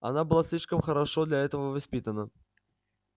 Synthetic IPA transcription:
anabɨlˠasʲlʲiʂkəmxəɾaʂod̪lʲɐɛt̪əvəvasʲpʲit̪ənə

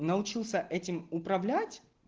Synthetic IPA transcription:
nəʊt͡ɕilˠsʲəʔɛtʲɪmʊpɾɐvlʲætʲ

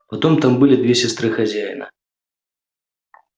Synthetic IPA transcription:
pat̪ɔmt̪ambɨlʲid̪vʲesʲast̪ɾɨxazʲajnɐ̰

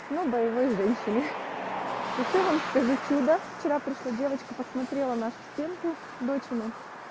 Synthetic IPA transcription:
nobəjɪvo̞jʐɛnʲɕːɪnʲɪ | ɪɕovamskɐzit͡ɕud̪əft͡ɕɪɾapɾʲɪʂlˠadʲe̞vət͡ɕkəpəsmɐt̪ɾʲelˠənaʂʊ̥sʲtʲe̞nkʊ | d̪o̞t͡ɕɪnʊ

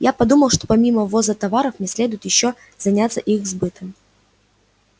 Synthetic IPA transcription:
japɐd̪uməlˠʂt̪o̥pɐmʲiməvozət̪ɐvaɾəfmnʲɪsʲlʲe̞d̪ʊɪt̪jɪɕːo | zɐnʲat̪sːəʔixzbɨt̪ʰɨm

